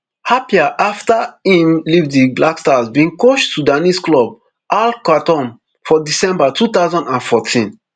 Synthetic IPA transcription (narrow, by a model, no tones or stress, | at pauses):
hapiaʔaftahĩmlivdiblakstazbĩŋkoʃtudanisklɔb̚ | ʔalkatɔ̃m | fɔdisɛ̃mbatʰut̪aʊzɔ̃ndãnfɔtʰĩn